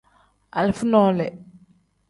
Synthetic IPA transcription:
a̰˨lfʊ˦nɔ˦lɛ˨

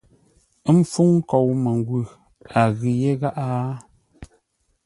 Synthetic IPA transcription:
m̩˦fu˦ŋ˦kɔ˨wmə˨ŋ˦ɡwʉ˨ | a˨ɣi˨je˦ɣa˦ʔa˦

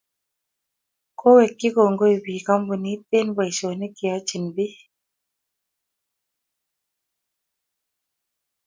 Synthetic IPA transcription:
kʰo˦wɛ˨kːi˦ko˨ŋɡo˦i˨bi˨ka˦mbu˨ni˦te˦nba˨i˨sɔ˨ne˦ki˨a˨˦t͡ʃi˨nbi˦

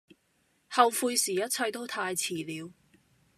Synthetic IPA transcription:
hɐ˨wfuː˧jsiː˨˩jɐ˥t̚t͡sʰɐ˧jt̪o˥wt̪ʰaː˧jt͡sʰiː˨˩liː˨˧w

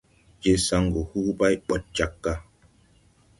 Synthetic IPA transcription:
d͡ʒe˦sa˦ŋɡo˨hu˦ba˦jɓɔ˨t̚t͡ʃa˨kːa˦

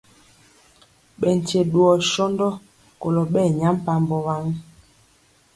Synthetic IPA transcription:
ɓɛ˨n̩˨te˨ɗu˨ɔ˨ʃɔ˦ndɔ˦ | ko˨lɔ˨ɓɛ˦˨ɲa˨˦m˦pa˦mbɔ˨βa˦ŋ˦

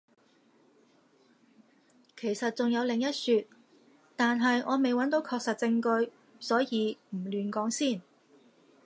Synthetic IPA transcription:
kʰe˨˩jsɐ˨t̚t͡sʊ˨ŋjɐ˨˧wlɪ˨˩ŋjɐ˥t̚syː˧t̚ | t̪aː˨nɦɐ˨jʔɔː˨˧me˨jwɐ˨˥nt̪o˨˥wkʰɔː˧k̚sɐ˨t̚t͡sɪ˧ŋkɵ˧ɥ | sɔː˨˥jiː˨˧m̩˨˩lyː˨nkɔː˨˥ŋsiː˥˩n

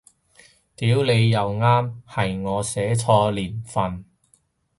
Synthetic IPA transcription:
t̪iː˨˥wle˨˧jːɐ˨˧wŋaː˥mhɐ˨jŋɔː˨˧sɛː˨˥t͡sʰɔː˧liː˨˩nfɐ˨n

